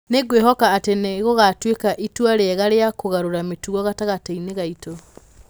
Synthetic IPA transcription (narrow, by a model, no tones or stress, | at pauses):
neɣweɦɔkaːteneɣoɣatwekaʔitwaɾeɛɣaɾeakoɣaɾoɾametuɣɔɣataɣataineɣaito